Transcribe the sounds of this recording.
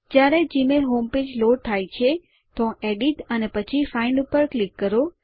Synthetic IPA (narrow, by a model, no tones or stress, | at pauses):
d͡ʒjaɾed͡ʒimelɦomped͡ʒloɽt̪ʰajt͡ʃʰe | t̪oeɖiʈənepət͡ʃʰifainɖupəɾklikːəɾo